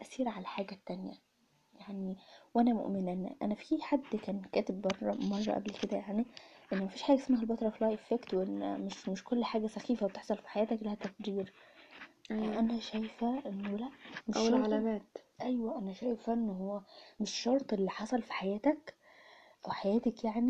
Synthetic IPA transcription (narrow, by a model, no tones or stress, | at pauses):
ʔæsiːɾʕalæħaːɡæt̪ːænjæ̰ | jaʕniwʔænæmo̰ʔmenænʔæ̰næfiħad̪ːkæːnkæːt̪ebbɑrˤːɑ̰mɑrˤːɑ̰ʔæblked̪æjaʕniʔenːmæfiːʃħaːɡæesmæːɦælbɑt̪ˤɾˤɑfilɑːjʔefekt̪wʔenːmeʃmeʃkolːħaːɡæsæxiːfæwet̪eħsˤɑlfi̥ħajæːt̪æklæhæt̪ːækd͡ʒiːɾ | ʔænæʃæjfæʔenːwlæʔmewlʕalæmæːt̪ʔæjwæʔænæʃæːjfæʔenːɦowːæmeʃːɑɾˤt̪ˤʔelːiħɑsˤɑlfi̥ħajæːt̪æk | ʔæwħajæːt̪ækjaʕni